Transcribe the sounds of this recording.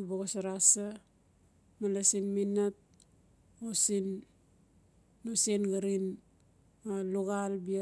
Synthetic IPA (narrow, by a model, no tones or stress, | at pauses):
baɣasaɾasa | malasinminat̚ | osin | osenɡaɾin | maluɣalbia